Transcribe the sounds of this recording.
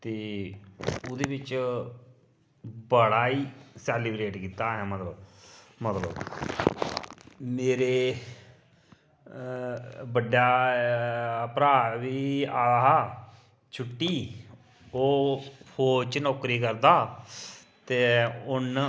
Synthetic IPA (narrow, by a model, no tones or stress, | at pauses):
t̪eː | ʊd̪eːbɪt͡ʃ | bəɽaːiːsɛːlibɾeːʈkiːt̪aːɦɛːmət̪ləbmət̪lə̰b | meːɾeː | bəɖjaː | pɾaːʋiːaːɦː | t͡ʃʰʊʈːiː | oːpʰoːt͡ʃnɔːkɾiːkəɾd̪aː | t̪eːʊn